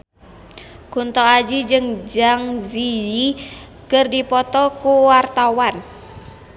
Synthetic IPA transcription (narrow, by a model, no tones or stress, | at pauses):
kunt̪ɔad͡ʒid͡ʒɨŋd͡ʒaŋziji | kərdipɔt̪ɔkuwart̪awan